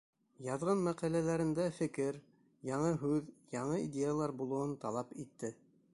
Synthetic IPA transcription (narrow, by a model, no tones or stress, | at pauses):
jɑðʁɤnmæqɑlælæɾɘ̆nd̪æfɘ̆kɘɾ | jɑɴɤɦʉðjɑɴɤid̪ʲejalˠɑɾbulˠŏwɤnt̪ɑlˠɑpit̪ːɘ